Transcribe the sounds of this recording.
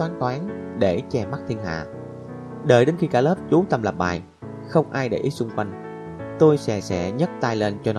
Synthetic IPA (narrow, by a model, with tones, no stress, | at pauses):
t̪waː˨˦nk̪waː˨˦nɗe˧˩t͡ɕɛ˧˩ma˦˥t̚t̪ʰi˧ənɦa̰ː˧˨ | ɗə̰ː˧˩jɗe˨˦nxi˧kaː˧˩ləː˦˥p̚t͡ɕu˨˦t̪ə˧mlə˨˩p̚ɓa̰ː˨˩j | xə˧wŋ͡mʔaː˧jɗḛ˧˩ʔi˦˥t̚sʊ˧ŋ͡mkwa˧jŋ̟ | t̪o˧jsɛ̰˧˥sɛ̰˧˥ɲə˦˥t̚t̪aː˧jle˧nt͡ɕɔ˧nɔ˨˦